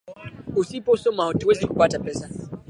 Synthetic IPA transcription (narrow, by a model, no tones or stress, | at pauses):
usipɔsɔmaɔtuwɛzɛkupatapɛsa